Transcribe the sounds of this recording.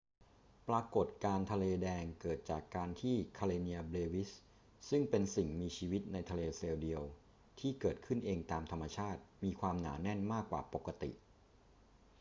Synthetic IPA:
pɾaː˧ko˨˩t̪̚kaː˧nt̪ʰa˧leː˧dɛː˧ŋkɤː˨˩t̪̚t͡ɕaː˨˩kːaː˧nt̪ʰiː˥˩kʰa˧leː˧ni˧ɐbleː˧wi˦˥s | sɯ˥˩ŋpe˧nsi˨˩ŋmiː˧t͡ɕʰiː˧wi˦˥t̪̚na˧jt̪ʰa˧leː˧seː˧wdi˧əw | t̪ʰiː˥˩kɤː˨˩t̪̚kʰɯ˥˩nʔeː˧ŋt̪aː˧mt̪ʰa˧mːa˧t͡ɕʰaː˥˩t̪̚miː˧kʰwaː˧mna̰ː˩˦nɛ˥˩nmaː˥˩kːwaː˨˩po˨˩kːa˧t̪ḭ˨˩ʔ

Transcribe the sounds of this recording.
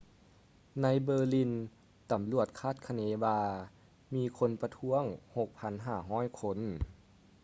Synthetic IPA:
na˧˥jbɤː˧li˧˥n | t̪a˨˩˦mlu˧˩ət̪̚kʰaː˥˩t̪̚kʰa˧neː˧˦ʋaː˧ | miː˧kʰo˧˥npa˧t̪ʰu˧˥əŋho˨˧˩k̚pʰa˧˥nɦaː˧˩ɦɔː˧˥˩jkʰo˧˥n

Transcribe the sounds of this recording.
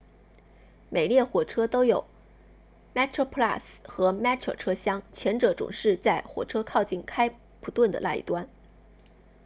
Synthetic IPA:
me˨˩ɪljɛ˥˩xwɔ˨˩ʈ͡ʂʰɤ˥t̪o˥ʊjo˨˩˦ʊ | mɛ˥tʰo˥pʰla˥˩sxɤ˧˥mɛ˥tʰə̰˧˩ʈ͡ʂʰɤ˥ɕjɑ˥ŋt͡ɕʰɥɛ˧˥nʈ͡ʂɤ˧˥ʈ͡ʂʊ̰˨˩ŋʂɻ̩˥˧t͡sa˥˩ɪxwɔ̰˨˩ʈ͡ʂʰɤ˥kʰɑ˥˧ʊt͡ɕi˥˩nkʰa˥ɪ | pʰu˧˥t̪wə˥˩nd̪ə̰˩la̰˥˩ḭ˨˩t̪wa˥n

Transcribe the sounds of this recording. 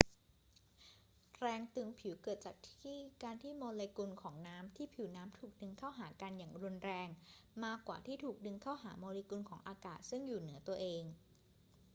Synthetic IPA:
ɾɛː˧ŋt̪ɯ˧˩ŋpʰi˨˩˦wkɤː˨˩t̪̚t͡ɕaː˨˩k̚t̪ʰiː˥˩kaː˧nt̪ʰiː˥˩moː˧leː˧ku˧nkʰɔː˩˦ŋnaː˦˥mt̪ʰiː˥˩pʰi˨˩˦wnaː˦˥mt̪ʰuː˨˩k̚dɯ˧ŋkʰaː˥˩wɦaː˩˦ka˧njaː˨˩ŋɾu˧nɾɛː˧ŋmaː˥˩kːwa̰ː˨˩t̪ʰiː˥˩t̪ʰuː˨˩k̚dɯ˧ŋkʰaː˥˩wɦa̰ː˩˦moː˧leː˧ku˧nkʰɔː˩˦ŋʔaː˧kaː˨˩t̪̚sɯ˥˩ŋjuː˨˩nɯ˩˦ɐt̪u˧ɐʔeː˧ŋ

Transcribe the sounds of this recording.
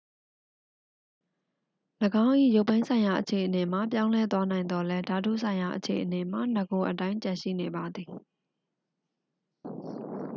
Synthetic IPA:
ləɡã˦ʊ̃ʔḭ˦˨jo˦ʊpːã˦ɪ̃nsʰã˨ɪ̃ja˨ʔət͡ɕʰe˨ʔə˨ne˨ma̰˦˨p̬jã˦ʊ̃lɛ˦t̪wa˦nã˨ɪ̃nd̪ɔ˦lɛ˦da˨dṵ˦˨sʰã˨ɪ̃ja˨ʔət͡ɕʰḛ˨ʔəne˨m̥a̰˦˨nə˨ɡo˨ʔət̬ã˦ɪ̃t͡ɕã˨ʃḭ˦˨ne˨ba˨d̪ði˨

